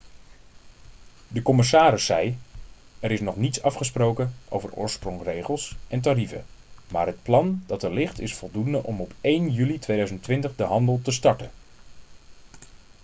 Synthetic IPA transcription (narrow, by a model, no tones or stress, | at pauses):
dəkɔmɪsaːɾɪsːɛj | ɛɾɪsnɔχnitsɑfχəsprowkənʔo̰wvərʊ̰ːɹsprɔŋrejχəlˠsɛntaɾivə̰maːɹɦət̚plɑnd̥ɑtəlɪχtɪsfɔlˠdundəʔɔmɔpejnjylitʋejdœɥzəntʋɪntəχdəɦɑndəlˠtəstɑɹtən